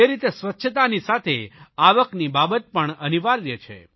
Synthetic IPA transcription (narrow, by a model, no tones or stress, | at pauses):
eɾit̪esʋətːʃʰət̪anisat̪ʰeaʋəknibabət̪̚pəɳəniʋaɾjət͡ʃʰḛ